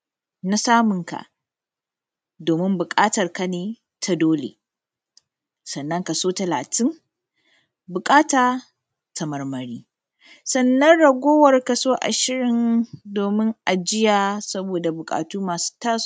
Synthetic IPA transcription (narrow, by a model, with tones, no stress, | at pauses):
na˦saː˦mʊ˨ŋka̰˨ʔ | doː˨mɪ˦mbʊ˨kʼaː˦tɐ˨rka˦neː˨ | tʰa˦doː˦lḛ˨ | sɐ˨nːɐ˦ŋkɐ˨soː˦tɐ˨la̰ː˨tʰɪ˦ŋ | bʊ˨kʼaː˦taː˨ | tʰɐ˨mɐ˨rmɐ˨ɽiː˦ | sɐ˨nːɐ˦nɽɐ˨ɡʷoː˦wɐ˨rka˨soː˦ʔa̰˨ʃɪ˦ɽɪ˨ndoː˨mɪ˦ŋʔa˨d͡ʒɪ˦jaː˨sɐ˦boː˨da˨bʊ˨kʼa̰ː˨tuː˦maː˨su̥ː˦taː˦s